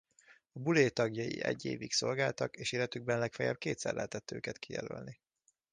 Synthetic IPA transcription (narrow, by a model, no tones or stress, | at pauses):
ɒbuleːt̪ɒɡjɒjḭʔɛɟːeːvikso̞lɡaːlt̪ɒkeːʃeːlɛt̪yɡ̚bɛnlɛkfɛjɛ̰b̚keːt̪sɛ̰rlɛ̰ɦɛt̪ɛt̪ːø̰ːkɛt̪kijɛlø̰lni